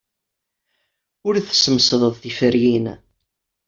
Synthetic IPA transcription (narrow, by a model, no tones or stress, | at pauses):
ʊɾθə̥səməsðˤəðˤθifəɾjin